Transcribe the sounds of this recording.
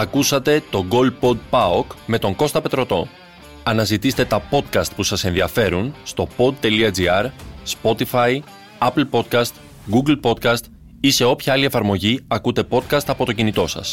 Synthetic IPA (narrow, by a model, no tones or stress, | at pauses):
ɐkusɐt̪e̞t̪o̞ɡo̞lpo̞d̪̚pɐokme̞t̪o̞ŋɡo̞st̪ɐpe̞t̪ɾo̞t̪o̞ | ɐnɐzit̪ist̪e̞t̪ɐpo̞t̪kɐst̪̚pusɐse̞nðiɐfe̞ɾunst̪o̞po̞d̪̚t̪e̞liɐd͡ziɐɾspo̞t̪ifɐj | ɐpl̩po̞t̪̚kɐst̪ | ɡuɡlpo̞t̪kɐst̪ | ise̞o̞pçɐɐlie̞fɐɾmo̞ʝiɐkut̪e̞po̞t̪̚kɐst̪ɐpo̞t̪ocinit̪o̞sɐ̰s